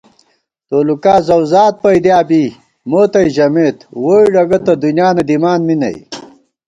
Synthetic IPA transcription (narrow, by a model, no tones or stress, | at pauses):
t̪oːlukaːzɐwzaːt̪̚pɐjd̪jaːbi | moːt̪ɐjʑɐmeːt̪woːiɖɐɡɐt̪ɐd̪unjaːnɐd̪imaːnminɐ̰j